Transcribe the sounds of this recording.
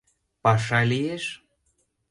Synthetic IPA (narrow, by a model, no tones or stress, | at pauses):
pɑʃɑlijeʃ